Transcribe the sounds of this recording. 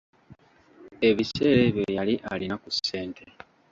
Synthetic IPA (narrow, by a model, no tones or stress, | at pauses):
e̞βise̞ːɾeβjoβjaliʔa̰linakuse̞ːntʰe